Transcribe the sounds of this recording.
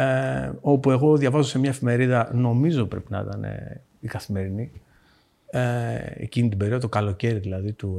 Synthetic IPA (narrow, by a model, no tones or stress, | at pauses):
eo̞pue̞ɣo̞ðʝɐvɐzose̞mɲɐefime̞ɾiðɐno̞mizopɾe̞pinɐḭt̪ɐne̞̰ | ikɐθime̞ɾini | eḛcinit̪ibe̞ɾiot̪okɐlo̞ce̞ɾiðilɐðit̪u